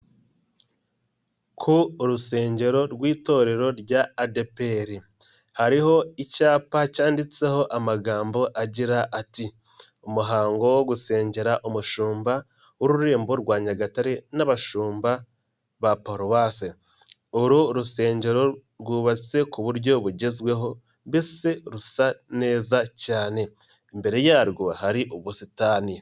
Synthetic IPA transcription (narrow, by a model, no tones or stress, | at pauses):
kʰuɾuse̞ːɲɟe̞ɾo̞ɾɡwiːto̞ɾe̞ɾo̞ɾɟaːdepeɾi | haɾiho̞icaːpacaːndit͡se̞ho̞ʔamaɡaːmbo̞ʔaɟiɾaʔati | umuɦaːŋɡo̞woɡuse̞ːɲɟe̞ɾaʔumuʃuːmba | woɾuɾeːmbo̞ɾɡwaːɲaɡataɾe̞naβaʃuːmba | βapoɾoβase | oɾuɾuse̞ːɲɟe̞ɾo̞ɾɡuːβat͡se̞kuβuɾjo̞βuɟe̞zwe̞ɦo̞ | bese̞ɾusane̞ːzacaːne̞ː | mbe̞ɾe̞jaɾɡohaɾiʔoβusitaːni